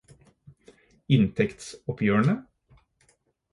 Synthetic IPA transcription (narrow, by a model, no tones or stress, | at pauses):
ɪnt̪ʰɛkt̪sɔpʰjøːəɳə